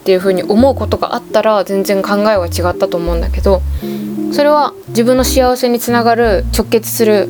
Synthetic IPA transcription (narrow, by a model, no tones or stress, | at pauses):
t̪ːe̞jɯ̟ɸɯ̟ːɲ̟iʔo̞mo̞ɯ̟ko̞t̪o̞ɡa̰ʔat̪ːaɾazẽ̞nd͡zẽ̞ŋkãŋɡae̞βat͡ɕiɡat̪ːat̪o̞ːmo̞ɯ̟̃nd̪ake̞d̪o̞ | so̞ɾe̞β̞a | d͡ʑibɯ̟̃nːo̞ɕijaβ̞ase̞ɲ̟it͡sɨnaɡaɾɯ̟t͡ɕo̞kːe̞t͡sɨ̥sɨɾɯ̟